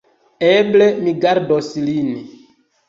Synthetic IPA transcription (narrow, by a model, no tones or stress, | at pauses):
eblemiɡaɾdoslin